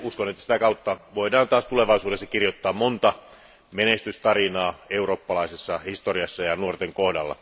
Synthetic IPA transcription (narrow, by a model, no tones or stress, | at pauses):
uskonet̪ːæsi̥t̪ækɑut̪ːɑʋoidɑːnt̪ɑːst̪uleʋɑisuːdesːɑkirjot̪ːɑːmmont̪ɑ | menest̪yst̪ɑrinɑːeuro̞ːpːɑlɑisesːɑhist̪oriɑsːɑjɑnuort̪eŋkohdɑ̰lːɑ̰